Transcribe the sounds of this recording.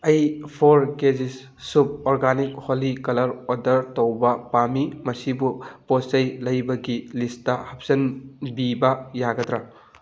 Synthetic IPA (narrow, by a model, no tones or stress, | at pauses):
ɐjpʰoɾked͡ʒisː | ub̚oɾɡanikholikɐlɐɾodɐɾtowbɐpamimɐsibuposɐjlɐjbɐɡilistɐhɐp̚sɐnbibɐjaɡɐdɾa